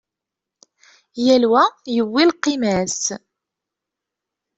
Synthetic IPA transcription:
jælwæjəwːilqːimæs

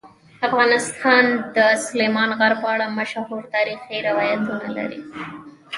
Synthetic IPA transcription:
afɣɑnɪst̪ʰɑnd̪əsʊlemɑnɣaɾpəaɽamaʃhuɾt̪ɑɾixiɾɪwɑjat̪una̰la̰ɾḭ

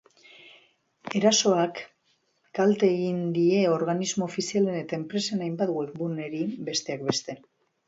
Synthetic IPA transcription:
e̞ɾaso̞akː | alt̪e̞ːɣind̪ie̞o̞ɾɣ̞anizmo̞ːfisiale̞ne̞t̪ae̞mpɾe̞senajmbat̪ɣuekbune̞ɾibe̞st̪e̞ak̚be̞st̪e̞

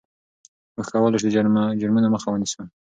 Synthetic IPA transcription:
wəxkawɑlaʃd̪əd͡ʒaɾmanoməxawənisu

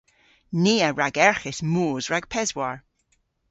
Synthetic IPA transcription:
niːəɹaɡɛɹχɪsmuːzɹaɡ̥̚pʰɛzwaɹ

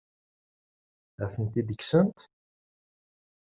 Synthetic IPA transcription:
æfənt̪id̪əksənt̪

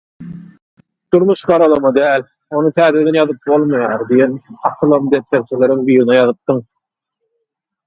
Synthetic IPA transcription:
d̪̥uɾmuʃɢɑɾɑlˠɑmɑd̪æːlʲ | o̞nut̪ʰæːd̪ed̪enjɑðɯp̚bo̞lˠmɑjɑːɾd̪ijenɑqʰɯlˠɑmd̪et̪leɾt͡ʃʰele̞ɾiŋbiːɾinɑjɑðɯp̚d̪ɯŋ

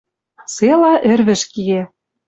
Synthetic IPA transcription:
selɑʔɘ̆rβɘ̆ʃkie

